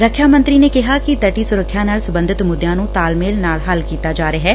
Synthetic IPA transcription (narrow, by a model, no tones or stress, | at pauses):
ɾəkʰjaːmə̃nt̪ɾiːneːkɪɦaːkɪt̪əʈiːsʊɾəkʰːjãːnaːlsəbənd̪ɪt̪mʊd̪jãːnũːt̪aːlmeːlnaːlɦəlkiːt̪aːd͡ʒaːɾeɦɛː